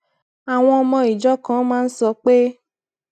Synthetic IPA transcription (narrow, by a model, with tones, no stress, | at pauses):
a˨w̃ɔ̃˧ɔ˧mɔ̃˧i˨d͡ʒɔ˦kã˦mãː˦n̩˦sɔ˧k͡pe˦